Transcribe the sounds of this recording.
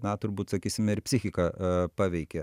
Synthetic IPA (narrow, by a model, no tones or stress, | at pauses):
nɐt̪ʊɾbuːt̪sɐkʲiːsʲɪmʲɪɾpʲsʲɪxʲɪkɑpɑːʋʲɛɪkʲɛ